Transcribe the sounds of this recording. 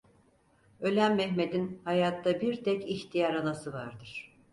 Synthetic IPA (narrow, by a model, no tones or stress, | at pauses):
ø̞lʲæmːɛçme̞d̪inhajaːt̪ːabiɾt̪ʰɛciçt̪ʰijaɾanasɯvaɾd̪ɯɾ̥